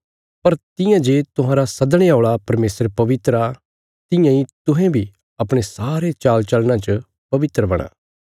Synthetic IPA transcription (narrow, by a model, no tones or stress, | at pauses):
pɐɾt̪ɪ̃jãd͡ʒeːt̪ʊɦãːɾasɐd̪ɽ̃eaːɭapɐɾmeːsɾpɐʋɪt̪ɾa | t̪ɪ̃jãit̪ʊɦɛ̃bʱi | ɐpɽ̃esaːɾet͡ʃaːlt͡ʃɐlnãt͡ʃə | pɐʋɪt̪ɾəbɐɽ̃a̰ː